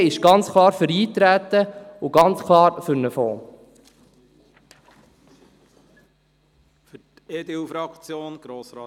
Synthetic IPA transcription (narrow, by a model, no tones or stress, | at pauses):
ɪʃɡ̥ɑnt͡skʰlˠɑːɾfʏɾiːt̪ɾæːt̪əʊɡ̥ɑnt͡skʰlɑːɾfʏɾnəfoː | fyt | eːd̪eufɾɑkt͡sjoːnɡ̥ɾoːsɑ